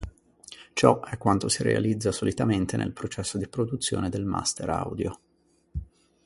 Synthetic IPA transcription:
t͡ʃɔɛkːwant̪osiɾḛa̰lid̪zːasolit̪ament̪enʔḛlpɾot͡ʃɛsːod̪ipɾod̪ut̪sːjo̰ːned̪elma̰st̪eɾa̰wd̪jo

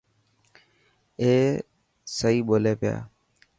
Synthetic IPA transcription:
eː | səɦiːɓoːleːpɪja̰ː

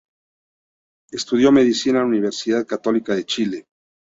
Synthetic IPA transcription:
est̪uðjo̞me̞ðisinauniβe̞ɾsiðaðkat̪o̞likaðe̞t͡ʃile

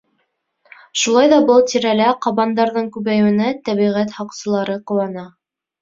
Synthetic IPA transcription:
ʃulˠɑjðɑbɤlˠt̪iɾælæqɑβɑnd̪ɑɾðɤɴkʉβæjwɘ̆næt̪æβiʁæt̪hɑqsɤ̆lˠɑɾɤqŏwɑnɑ

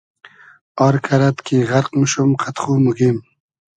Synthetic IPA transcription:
ɔɾkʰaɾat̪kiʁaɾqmʃumqʰat̪χuːmuɡim

